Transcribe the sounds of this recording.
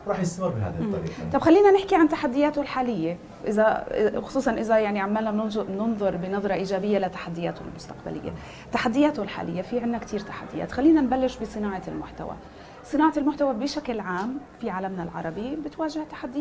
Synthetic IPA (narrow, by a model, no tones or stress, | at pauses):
ɾˤɑːħjɪstmɪbɪha̰ðˤːɑɾḭːt̪ˤɑbxalːiːnanɪħkiʕant̪aħad̪ːɪjaːt̪olħaːlɪjːe | ʔɪzaʔxʊ̥sˤuːsˤɑnʔɪzajaʕniʕamːaːlnanʊnðˤʊɾˤbɪnɑðˤɾˤɑʔiːʒaːbɪjːalat̪ḁħad̪ːɪjaːt̪olmʊst̪aqba̰lʔɪ̰jːa̰ | t̪aħad̪ːɪjaːt̪olħa̰ːlʔɪ̰jːafiʕɪnːakt̪ʰiːɾt̪ḁħad̪ːɪja̰ːt̪xalːiːnanbalːɪʃbɪsˤɨnaːʕɑlmʊ̰ħt̪a̰wa̰ | sˤɨnaːʕɑlmʊħt̪awabɪʃaklʕaːmfiʕaːlamnalʕɑ̰ɾˤɑbibɪt̪waːʒɪht̪ḁħad̪ːɪj